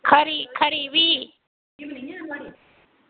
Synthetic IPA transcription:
kʰɐɾikʰɐɾiwi

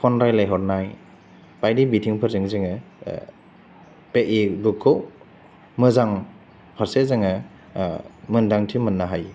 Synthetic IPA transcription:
pʰɔnɾajlajɦɔɾnaj | pajdibitʰiŋpʰɯɾzɯŋzɯŋɯ | peʔidukʰːɯw | mɯzaŋ | pʰaɾsezɯŋɯ | mɯndaŋtʰimɯnːaɦaj

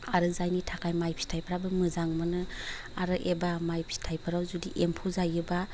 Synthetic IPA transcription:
aɾɯzajnitʰakʰajmajpʰi̥tʰajpʰɾabɯmɯzaŋmɯnɯ | aɾɯʔebamajpʰi̥tʰajpʰaɾawzudiʔempʰuzajɯba

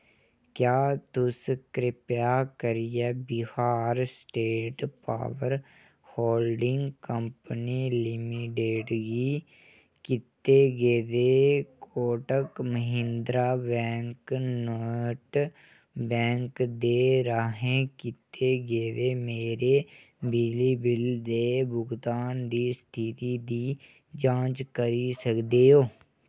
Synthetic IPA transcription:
kjaːt̪ʊskɾɪpjakəɾijebɪhaːɾsʈeːʈpa̰ːʋəɾ | hoːlɖɪ̃ŋɡkəmpənilɪmiʈeːɖɡi | kɪt̪ːeɡeːd̪ekoːʈəkməɦɪ̃nd̪ɾabɛ̃ːŋknəːʈ | bɛ̃ːŋkd̪eːɾaːɦẽːkɪt̪eːɡeːd̪eːmeːɾeː | bid͡ʒliːbɪld̪eːbʊɡd̪aːnd̪iːst̪ʰit̪iːd̪iː | d͡ʒãːt͡ʃkəɾisəkd̪eːoː

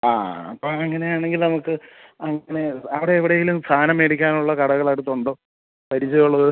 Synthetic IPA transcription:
a̰ːɐ̰pːoːɐŋːɐne̞jaːɳe̞ŋɡilnɐmukːɨ | ɐŋːɐne̞ɐʋiɽe̞ːʋiɽeːŋɡilumst̪ʰaːnɐmeɽikʲːaːnuɭːɐkɐɽɐɣɐɭajʈut̪ːoɳɖoː | pɐɾit͡ɕːɐjuɭːɐðɨ

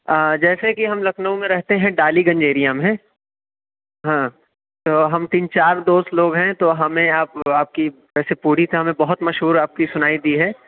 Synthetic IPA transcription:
d͡ʒɛːsekiɦɐmlɐkʰnəũmẽɾɛɦt̪eɦɛ̃ɖaːliɡɐ̃ɲd͡ʒeːɾijamɦɛ̃ | ɦãː | t̪oːɦɐmt̪iːnt͡ʃaːɾd̪oːst̪loːɡɦɛ̃t̪oɦɐmẽaːpaːp̚ki | ʋɛːsepuːɽit̪ʰɛɦɐmẽbɐɦʊt̪mɐʃɦuːɾaːp̚kisʊnaːid̪iːɦɛː

